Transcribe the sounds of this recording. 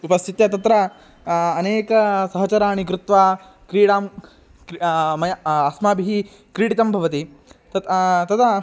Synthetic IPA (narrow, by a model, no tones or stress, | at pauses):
upɐst̪ʰit̪jɐt̪ɐt̪ɾɐː | neːkɐsɐɦɐt͡ʃɐɾaːɳikɾut̪ʋaː | kɾiːɽaːm | kmɐjɐsmaːbʱiɦi | kɾiːɽit̪ɐmbʱɐʋɐt̪it̪ɐt̪t̪ɐt̪ʰɐ